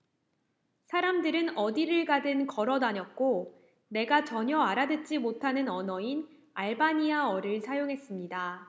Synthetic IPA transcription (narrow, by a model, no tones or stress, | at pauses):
sʰaɾamdɯɾɯnʌdiɾɯɭɡadɯnkʌɾʌdaɲʌt̚k͈o | ne̞ɡat͡ɕʌɲʌaɾadɯt͡ɕ͈imotʰanɯnʌnʌin | aɭbaɲiaʌɾɯɭsʰajoŋɦe̞s͈ɯmɲida